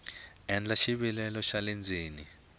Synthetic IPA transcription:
ɛnd͡ɮaʃiɓilɛlɔʃalend͡zʱeːni

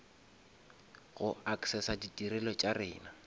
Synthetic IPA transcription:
ɣʊaksɛsaditʼiɾɛlɔt͡ʃʼarɪ̰ːna

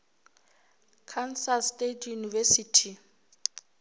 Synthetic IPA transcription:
kʰansastetʰjunivesitʰi

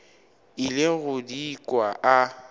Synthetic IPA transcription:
ɪlɪɣʊdiːkʼwaʔa

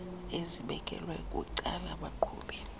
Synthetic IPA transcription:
eziɓɛkʼɛ̰lwɛkʼṵǀalaɓaǃʰṵːɓɛ

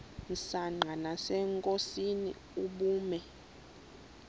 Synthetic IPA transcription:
n̩saŋ͡ǃʱanasɛŋkʼosinḭ | uɓuːmɛ

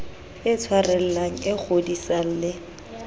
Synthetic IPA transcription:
ɪt͡sʰwarɛl̩laŋ̩ɪk͡xʰodisal̩lɪ

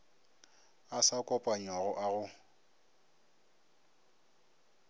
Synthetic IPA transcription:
asakʼɔpʼaɲwaɣʊʔaɣʊ

